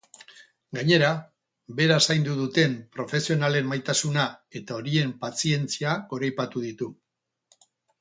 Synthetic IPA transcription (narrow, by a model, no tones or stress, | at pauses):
ɡaɲe̞ɾa | be̞ɾasajnd̪uðut̪e̞mpɾo̞fe̞sio̞nale̞mːajt̪asunae̞t̪ao̞ɾie̞mpat͡sie̞nt͡siako̞ɾajpat̪uðit̪u